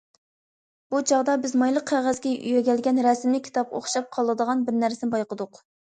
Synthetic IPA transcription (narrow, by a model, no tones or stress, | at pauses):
b̥ut͡ʃʰɑʁd̪ɑbɪzmɑjlˠəq̚ʰːæʁæzɡʲɛʔy̰jɛɡʲɛlɡʲɛnɾɛsɪmlɪkʲʰːi̥t̪ʰɑpo̰χʃɑp̚qʰɑlˠːɨd̪əʁɑnbɪɾnæɾsɪnbɑjqəd̪ʊq